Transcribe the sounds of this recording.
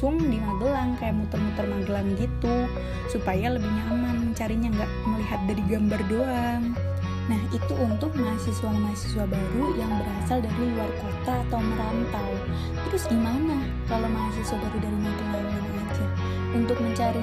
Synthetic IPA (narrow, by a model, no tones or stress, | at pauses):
ʊŋdimabəlaŋkajaʔmut̪ʊrmut̪ərmaŋɡəlaŋɡit̪u | supajaləbɪhɲamanməɲt͡ʃaɾiɲaŋɡaʔməliɦat̪̚daɾiɡambardoaŋ | nahit̪uʔːnt̪ʊk̚maɦasisuamaɦasi̥suabaɾujaŋbəɾasaldaɾiluarkot̪aːt̪awməɾant̪aw | t̪əɾʊsimanah | kalomaɦasisuabaɾudaɾiɲait̪uŋɡaɾuanaad͡ʒa | unt̪ʊk̚məɲt͡ʃaɾi